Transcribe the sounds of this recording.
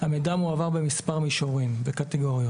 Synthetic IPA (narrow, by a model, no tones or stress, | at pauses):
hamedamuavaʁbemispaʁmiʃoʁimvekateɡo̞ʁjo